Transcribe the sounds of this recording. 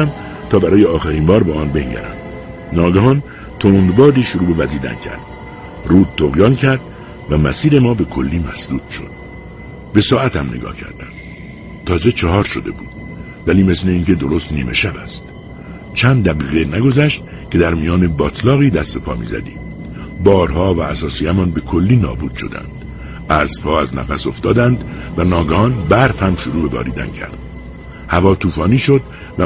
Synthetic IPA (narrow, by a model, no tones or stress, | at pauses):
æm | t̪ʰɒːbæɾɒːjeɒːxæɾiːnbɒːɾbeɒːnbe̞ŋɟæ̰ɾæ̰m | nɒːɡæɦɒːn | t̪ʰond̪bɒːd̪iːʃoɾuːbe̞væziːd̪æ̰ncʰæ̰ɾd̪̥ | ruːd̪̚t̪oɣjɒːncʰæɾd̪ | væmæsiːɾe̞mɒːbe̞kʰo̞lːiːmæsd̪uːd̪̥ʃo̞̰d̪̥̚ | be̞sɒːæt̪ʰæmne̞̰ɡɒ̰ːhcʰæ̰ɾd̪æm | t̪ʰɒːze̞t͡ʃʰɒɦɒːɾʃo̞d̪e̞buːd̪̥ | væliːme̞sle̞iːŋcʰe̞d̪o̞ɾost̪niːme̞̰ʃæbæst̪ | t͡ʃʰænd̪̚d̪æɣiːɣenæɡo̞zæʃt̪̚ | cʰed̪æɾmiːjɒːnebɒːt̪ʰlɒːɣiːd̪æst̪e̞pʰɒ̰ːmḭːzæ̰d̪ḭːm | bɒːɾhɒːvæːsɒːsiːæmɒːnbe̞kʰo̞lːiːnɒ̰ːbuːd̪̥ʃo̞̰d̪æ̰nd̪̥ | æːzpʰɒːæznæ̰fæso̞ft̪ɒːd̪ænd̪vænɒːɡɒːnbæɾfhæmʃoɾuːbe̞bɒ̰ːɾḭːd̪æ̰ncʰæ̰ɾd̪̥ | hævɒːt̪ʰuːfɒːniːʃo̞d̪ | væ